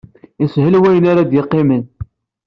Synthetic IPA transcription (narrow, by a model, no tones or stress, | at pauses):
ishəlwæjənaɾad̪jɪqːɪmən